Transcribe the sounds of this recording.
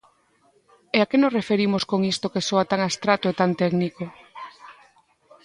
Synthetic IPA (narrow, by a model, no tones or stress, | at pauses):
eakenosrefeɾimoskoŋist̪okesoat̪aŋast̪ɾat̪oet̪ant̪ɛɡniko